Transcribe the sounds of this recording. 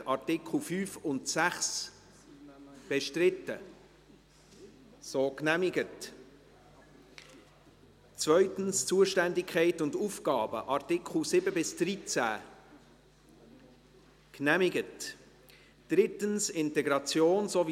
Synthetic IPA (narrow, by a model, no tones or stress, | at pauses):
ɑɾtɪkl̩fyːfʊntsæχs | b̥ɛʃtɾɪtːə | soːknæmɪɡət | t͡svœʏtən̩st͡suəʃtændɪkχɛɪtʊndufkɑːbə̰ʔɑɾtɪkχl̩sɪbəbɪsd̥rit͡sæ̰ː | knæmɪɡət | d̥ɾɪtənsɪntɛɡɾɑt͡sjoːnsov